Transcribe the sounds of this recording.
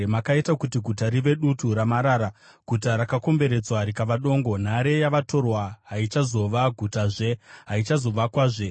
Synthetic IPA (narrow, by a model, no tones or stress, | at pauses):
makaitakutiɡʱutaɾiʋe̞ɗutuɾamaɾaːɾa | ɡ̥ʱutaɾakako̞mbe̞ɾe̞d͡zwaɾikaʋaɗo̞ːŋɡo̞n̤aɾe̞jaʋato̞rwaɦait͡ʃazo̞ʋaɡʱutaʐe̞ɦait͡ʃazo̞ʋakwaːʐe